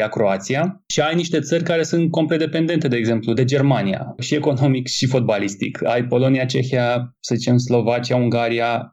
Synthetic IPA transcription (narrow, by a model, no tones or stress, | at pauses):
akɾo̞at̪siaʃiajniʃt̪e̞t̪sərʲkaɾe̞sɨnt̪̚ko̞mplet̪d̪epe̞nd̪e̞nt̪e̞d̪e̞ːɡze̞mplud̪e̞d͡ʒe̞rmanija̰ʃie̞ko̞no̞mikʃifo̞t̪̚balist̪ḭka̰jpo̞lo̞niat͡ʃe̞xia | səzit͡ʃe̞mslo̞vat͡ʃijauŋɡaɾija